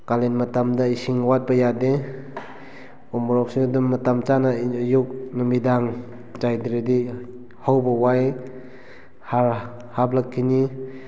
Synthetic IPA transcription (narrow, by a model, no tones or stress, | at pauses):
kalenmatamdaisiŋwat̚bɐjade | ɔmɔɾɔk̚sidumːatamt͡ʃanajuk̚nɯmidaŋ | t͡ʃajdiɾedi | hawbawaj | haɾ | hablakʰːini